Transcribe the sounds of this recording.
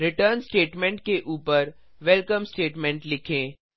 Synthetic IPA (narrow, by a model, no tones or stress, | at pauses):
ɾɪʈəɾnsʈeːʈmɛ̃ɳʈ̚keʔuːpəɾʋɛlkəmsʈeːʈmɛ̃ɳʈlɪkʰẽː